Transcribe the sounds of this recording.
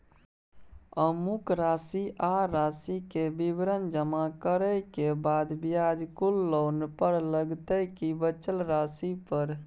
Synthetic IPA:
əmukɾasiʔaɾasikebibɾənd͡ʒəmakəɾəjkebad̪bijad͡ʒkulːoːnpəɾləɡt̪əjkibət͡ʃəlɾasipəɾ

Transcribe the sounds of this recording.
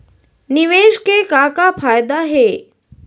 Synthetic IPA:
niʋeʃkekakafajd̪aɦe

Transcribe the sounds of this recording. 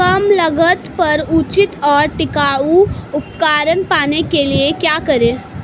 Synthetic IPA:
kɐmləɡət̪pɐɾut͡ʃɪt̪ɔːɾʈɪkaːuʊp̚kaːɾənpaːnekeliekjaːkəɾẽː

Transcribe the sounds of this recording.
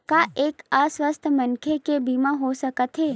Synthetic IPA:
kaːʔeːkaswəst̪ʰmənkʰekebiːmãɦosəkət̪ɦeː

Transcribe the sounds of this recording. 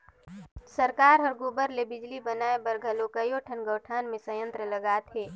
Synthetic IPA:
sɐɾkaːɾɦɐɾɡoːbəɾlebɪd͡ʒlibɐnaːebɐɾɡʱəlokəjoʈʰənɡəːʈʰaːnmẽsɐjə̃nt̪ɾəlɐɡaːt̪ɦeː

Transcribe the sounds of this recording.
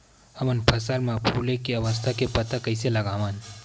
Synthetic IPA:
hɐmənpʰɐsəlmãpʰuːlẽkeɐʋəs̬t̪ʰakepɐt̪akɐɪselɐɡaːʋan

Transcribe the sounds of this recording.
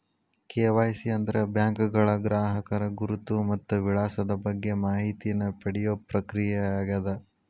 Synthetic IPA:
keːʋaːjsiɐnd̪ɐɾebjaːŋkuɡɐɭɐɡɾaːɦɐkɐɾɐɡuɾut̪ːumɐt̪ːuʋiɭaːsɐd̪ɐbɐɡːe̞maːɦit̪inɐpɐɽɛjopɾɐkɾijeaːɡɐd̪ɐ

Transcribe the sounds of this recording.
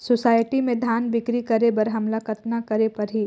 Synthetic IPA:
sosaːɪʈimẽd̪ʱjaːnbɪkɾikɐɾebɐɾɦɐmlakɐt̪nakɐɾepɐɾɦi

